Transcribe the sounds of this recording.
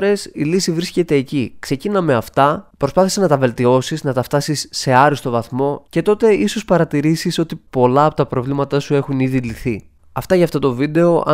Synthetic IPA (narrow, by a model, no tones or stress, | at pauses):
ɾe̞silisivɾisce̞t̪e̞ːcikse̞cinɐme̞ɐft̪ɐpɾo̞spɐθisenɐt̪ɐve̞lt̪io̞siznɐt̪ɐft̪ɐsisːe̞ɐɾist̪o̞vɐθmo̞ce̞t̪o̞t̪e̞iso̞spɐɾɐt̪iɾisiso̞t̪ipo̞lɐːpo̞t̪ɐpɾo̞vlimɐt̪ɐsue̞xuniðiliθi | ɐft̪ɐʝɐft̪ot̪o̞vid̪e̞o̞ʔɐ̰